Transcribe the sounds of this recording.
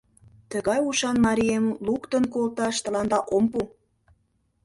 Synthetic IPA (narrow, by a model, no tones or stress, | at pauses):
t̪əɣɑjuʃɑnmɑɾijemlukt̪ə̆nkolt̪ɑʃt̪ə̆lɑnd̪ɑʔompu